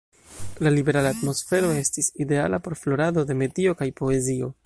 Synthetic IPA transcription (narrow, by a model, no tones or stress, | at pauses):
lalibe̞ɾalaːtmo̞sfe̞ɾo̞e̞stiside̞alapo̞ɾflo̞ɾado̞de̞me̞dio̞kajpo̞e̞zio̞